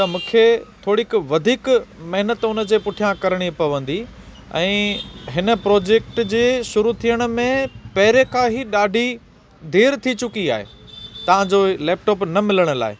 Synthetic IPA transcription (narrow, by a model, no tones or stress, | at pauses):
t̪ɐmũːkʰet̪ʰoːɽikʋɐd̪ʱiːkmɐɦɪnət̪ʊnə̆d͡ʑeːpʊʈʰijãkɐɾəɽ̃ipɐʋə̃nd̪i | ɛ̰̃ːɦɪnə̆pɾɔːd͡ʑeːk̚ʈd͡ʑeːʃʊɾut̪ʰijəɽ̃̆mẽpɐɦɪɾekãːɦiɗaːɖʱi | d̪ʱeːɾt̪ʰit͡ɕʊkia̰ːɦḛː | t̪ɐʋ̤ãd͡ʑoleːp̚ʈɔːpnɐmɪləɽ̃ʊ̆la̰ːɪ